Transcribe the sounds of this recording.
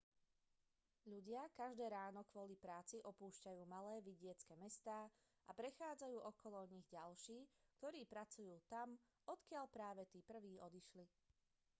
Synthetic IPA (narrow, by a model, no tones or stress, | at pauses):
ʎuɟɪakaʒd̪ɛːɾaːnɔkʋɔlipɾaːt͡siʔɔpuːʃcajuːmalɛːʋiɟɪɛt͡skɛmɛst̪aː | ʔa̰pɾɛxaːd͡zajuːʔɔkʰɔlɔɲiɣɟalʃiːkt̪ɔɾiːpɾat͡sujuːt̪am | ɔt̪kɪaʎpɾaːʋɛt̪iːpr̩ʋiːɔd̪iʃli